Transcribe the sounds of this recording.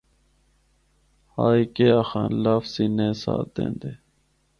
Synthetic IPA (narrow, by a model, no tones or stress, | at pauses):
haːikeːaxã̰ːnlafsinẽːsa̰ːd̪ḛ̃ːnd̪eː